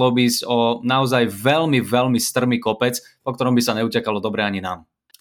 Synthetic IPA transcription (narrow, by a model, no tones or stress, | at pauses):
ɔbizcɔnaɔzajʋɛlmivɛlmist̪r̩miːkɔpɛt͡s | pɔkt̪ɔɾɔmbisaɲɛucɛkalɔd̪ɔbɾɛaɲinaːm